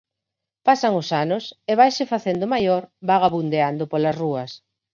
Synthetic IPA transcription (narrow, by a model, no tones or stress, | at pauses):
pasaŋʊsanʊseβajsɪfaθend̪ʊmajoɾbaɣaβund̪eand̪ʊpolɐsruɐs